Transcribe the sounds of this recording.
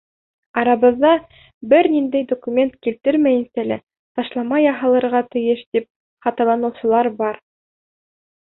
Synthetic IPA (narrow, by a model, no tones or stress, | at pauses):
ɑɾɑβɤ̆ðːɑ | bɘɾnind̪æjd̪okumʲe̞nt̪kilt̪ɘɾmæjɘ̆nsælæ | t̪ɑʃlˠɑmɑjɑɦɑlˠɤ̆ɾʁɑt̪ɘ̆jɘʃt̪ip̚ | χɑt̪ɑlˠɑnɤ̆wsɤ̆lˠɑɾbɑɾ